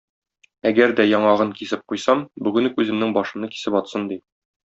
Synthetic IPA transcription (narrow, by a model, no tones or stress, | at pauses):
æɡæɾd̪æjɒɴɑʁɤŋkisɘp̚qujsɑmbʉɡɘ̆nkʉzɘ̆mnɘŋbɒʃɤ̆nɤki̥sɘpɒt̪sɤnd̪i